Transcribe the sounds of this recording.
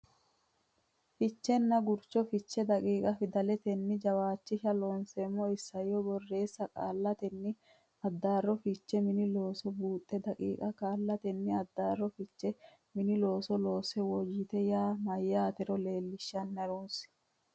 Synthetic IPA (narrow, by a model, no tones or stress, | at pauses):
fɪt͡ʃːɛnːɐɡʊɾt͡ʃːɔfɪt͡ʃːɛd̪ɐkʼiːkʼɐfɪd̪ɐlɛt̪ɛnːɪd͡ʒɐwaːt͡ʃːɪʃɐloːnsɛːmːɔɪsːɐjɔbɔrːe̞ːsːɐkʼa̰ːlːɐt̪ɛnːɪ | ɐd̪ːaːrːɔfɪt͡ʃːɛmɪnɪlo̞ːsɔbuːt̪ʼːɛd̪ɐkʼḭːkʼɐkʼaːlːɐt̪ɛnːɪɐd̪ːaːrːɔfɪt͡ʃːɛ | mɪnɪlo̞ːsɔlo̞ːsɛwɔd͡ʒɪt̪ɛjaːmɐjːaːt̪ɛɾɔle̞ːlːɪʃːɐnːɐɾoːns